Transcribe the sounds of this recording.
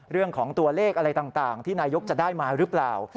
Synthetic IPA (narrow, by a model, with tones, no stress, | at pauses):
ɾɯ˥˩əŋkʰɔː˩˦ŋt̪u˧ɐleː˥˩k̚ʔa˧ɾa˧jt̪aː˨˩ŋt̪aː˨˩ŋt̪ʰiː˥˩naː˧jo˦˥k̚t͡ɕa˨˩daː˥˩jmaː˧ɾɯ˦˥plaː˨˩w